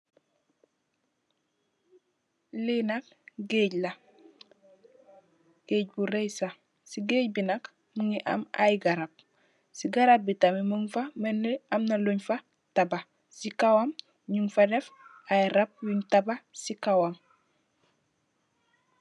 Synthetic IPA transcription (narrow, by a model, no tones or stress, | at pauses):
linak̚ | ɡeːɟla | ɡ̥eːɟ̚buɾejsa | siɡeːɟ̚binak | muŋiʔa̰ma̰jɡaɾap̚ | siɡaɾap̚bitamimuŋfamenːeamnaloɲfa | taba | sikawam | ɲuŋfadef | ajiɾap̚wintabasikawam